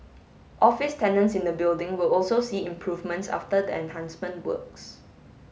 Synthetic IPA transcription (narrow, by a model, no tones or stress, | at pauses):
ʔɔfɪstɛ̃nə̃ntsɪ̃ndəbɪldɪ̃ŋwɪlɔlsosiĩmpʰɹuvmə̃ntsa̰ftədəɛ̰̃nhãnsmə̃ntwə̰ks